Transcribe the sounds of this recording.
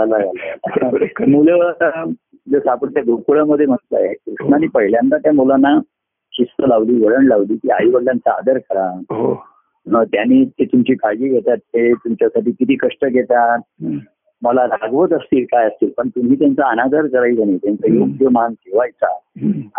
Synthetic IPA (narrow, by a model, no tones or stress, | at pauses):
alaɡalaalaamuleʋəɭat̪aa | d͡zəsapəɽt̪jaɡokuɭaməd̪ʱːjem̤ət̪la̰jekɾuʂɳaniːpəɦiljant̪at̪jamolanːa | kist̪əlaʋliːʋəɽəɳlaʋliːk̪iːa̰jiʋəɽljant͡saa̰d̪əɾkəɾaɦo | nət̪janiːt̪et̪umt͡ɕiːkad͡ʑiːɡʱet̪at̪ːet̪umt͡ɕjasaʈiːkit̪iːkəʂʈəɡʱet̪at̪ | məlaɾaɡʋət̪əst̪iːlkajəst̪iːlpəɳt̪um̤iːt̪jant͡saːnad̪əɾd͡zəɾaid͡zaniːt̪jant͡sajoɡjəmank̪eʋajt͡sa̰